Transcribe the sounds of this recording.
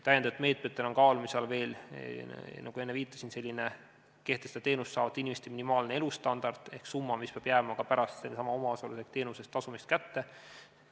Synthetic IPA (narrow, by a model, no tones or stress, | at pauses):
t̪æjend̪ɑt̪ːˑme̞ːt̪ˑmet̪ːˑe̞no̞nkɑːlumiseɑlve̞ːl | nʔɑ̰ɡue̞nːeviːt̪ːˑɑ̥sinse̞lʲːine | ke̞ht̪esd̪et̪e̞ːnusːɑːvɑt̪ːˑinʲimest̪eminimɑːlnee̞lust̪ɑnd̪̥ɑrd̪ˑe̞hksumːɑmispeɑːb̥jæːmɑkɑpæɾɑst̪sensɑmɑo̞mɑosɑlisekt̪e̞ːnuse̞st̪ːɑsumist̪̚kæt̪ːe̞